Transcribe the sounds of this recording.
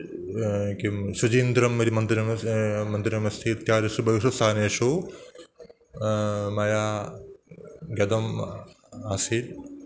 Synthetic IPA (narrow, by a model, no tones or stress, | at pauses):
kisud͡ʒiːnd̪ɾɐmːɐɾimɐnd̪ɾɐmmɐnd̪ɪɾɐmɐst̪ʰit̪jaːɾɐsubɐʋiʃusaːneːʃu | mɐjaː | ɡɐd̪ɐm | aːsid̪